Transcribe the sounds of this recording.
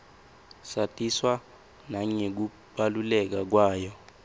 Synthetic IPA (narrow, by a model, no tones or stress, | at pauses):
satʼiswa | naɲek̬u | ɓalulɛk̬ak̬waːjɔ